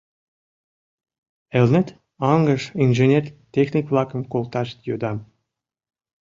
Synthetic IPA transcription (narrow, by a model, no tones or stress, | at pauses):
ĕlʲnɘ̆t̪ | ɑŋɡəʃinʒenʲerʲt̪ʲexnʲikvlˠɑkə̆mkolˠt̪ɑʃt̪jod̪ɑm